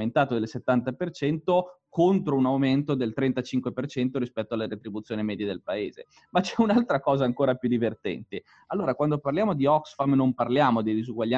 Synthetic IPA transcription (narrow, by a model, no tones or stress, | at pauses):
ent̪aːt̪od̪elset̪ːant̪apert͡ʃɛnt̪okont̪ɾounawment̪od̪elt̪ɾɛnt̪at͡ʃiŋkwepert͡ʃɛnt̪oɾispɛt̪ːoalːeɾet̪ɾibut̪sːjoːnimɛːd̪jed̪elpaḛːzḛ | mat͡ʃɛunalt̪ɾakɔːzaːŋkoːɾapjud̪ivert̪ɛ̰nt̪e | alːoːɾakwand̪oparljaːmod̪iɔksfamnomparljaːmod̪id̪izuɡwaʎːa